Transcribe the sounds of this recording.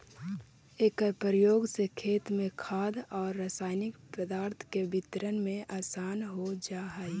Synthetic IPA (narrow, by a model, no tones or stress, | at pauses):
eːkəpɾəjoːɡsekʰeːt̪mẽkʰaːd̪ɔːɾːaːsaːɪnɪkpɾəd̪aːɾt̪ʰkebɪt̪ɾənmẽʔaːsaːnɦod͡ʒaːɦaj